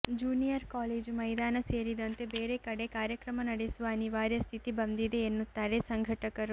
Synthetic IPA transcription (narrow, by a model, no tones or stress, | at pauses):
d͡ʒuːnijɐɾkaːleːd͡ʒumɐjd̪aːnɐseːɾid̪ɐnt̪e̞beːɾekɐɽekaːɾjɐkɾɐmɐnɐɽesuʋɐɐniʋaːɾjɐst̪ʰit̪ibɐnd̪id̪e̞ːnːut̪ːaːɾesɐŋɡʱɐʈɐkɐɾu